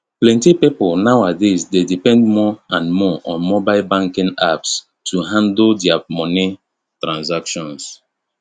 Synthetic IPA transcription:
plɛ̃ntipipɔlnawadesdedipɛ̃ndmɔãnmɔʔɔ̃nmɔbalbãŋkĩŋaps | tʰuɦãndldiamɔni | tɾãnsakʃɔ̃ns

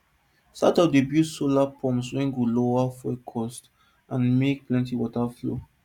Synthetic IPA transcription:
satɔpdebjusolapʰɔ̃mswɛ̃nɡuloafɛkʰɔst | ʔãnmek̚plɛ̃ntiwɔtaflo̰

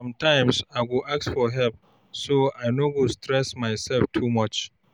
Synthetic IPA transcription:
mtãɪ̃msaɪwuʔaksfɔɦɛlp̚ | soaɪnowustʰɹɛsmaɪsɛlftʰumʌt͡ʃ

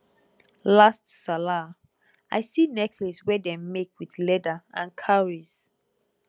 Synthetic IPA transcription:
lastsala | ʔajsinɛkʰlɛswɛdɛ̃mːekʰwiθlɛdaã̰nkʰaɹis

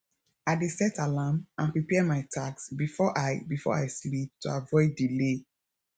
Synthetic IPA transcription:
aɪdesɛtʰalamãnpɹipɛdmaɪtʰaksbifɔʔaɪbifɔ̰aɪslip̚tʰuavɔɪdːile

